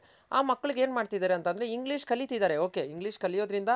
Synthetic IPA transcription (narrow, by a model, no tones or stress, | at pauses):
a̰ːmɐkːɐɭiɡe̞ːnmaːɖ̚t̪id̪aːɾeɐnt̪ɐnd̪ɐɾeiŋɡɭiːʂkɐlːit̪id̪aːɾe̞o̞ːke̞iŋɡɭiːʂkɐlːijo̞ːd̪ɾind̪ɐ